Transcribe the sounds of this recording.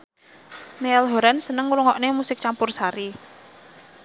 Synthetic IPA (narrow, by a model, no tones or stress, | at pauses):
neɛlɦoɾansənəŋɾuŋɔʔnemusɪk̚t͡ʃampʊrsaɾi